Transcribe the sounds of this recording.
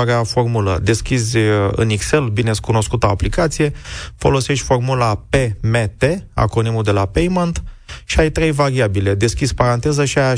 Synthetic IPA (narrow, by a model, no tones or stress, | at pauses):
aɾeafo̞rmulə̰d̪e̞skʲizʲɨ̰nikse̞lbine̞skuno̞skut̪aaplikat̪sije̞fo̞̰lo̞se̞ʃt̪ʲfo̞rmulape̞me̞t̪ea̰konimud̪e̞lapejmant̪ | ʃiajt̪ɾe̞jvaɾiabile̞d̪e̞skʲisʲpaɾant̪e̞zəʃiaja